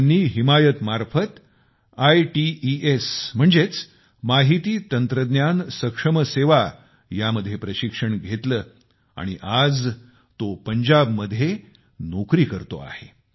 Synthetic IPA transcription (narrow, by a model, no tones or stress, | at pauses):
nːiːɦimajət̪maɾfət̪ | ajʈiiesm̤əɳd͡zet͡s | maɦit̪iːt̪ənt̪ɾəd̪njansəkʂəməseʋa | jaməd̪ʱːjepɾəɕikʂəɳɡʱet̪ləː | a̰ɽ̃iʔad͡z | t̪opəɲd͡ʑabməd̪ʱːje | nokɾiːkəɾt̪o̰a̰he